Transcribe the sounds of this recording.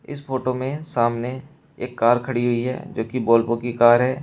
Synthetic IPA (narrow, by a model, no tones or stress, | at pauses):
ɪ̰spʰoːʈomẽsaːmne | eːkːaːɾkʰɐɽiɦʊiɦɛ̰ːd͡ʒoːkiboːlpokikaːɾɦɛː